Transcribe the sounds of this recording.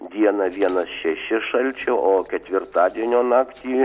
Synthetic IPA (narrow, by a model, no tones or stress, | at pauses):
d̪ʲiɛnɐʋʲiɛnɐsʃʲɛʃʲɪʃɐlʲt͡ʃʲɛʔoːkʲɛt̪ʲʋʲɪrt̪ɑːd̪ʲiɛnʲoːnɑːkt̪ʲiː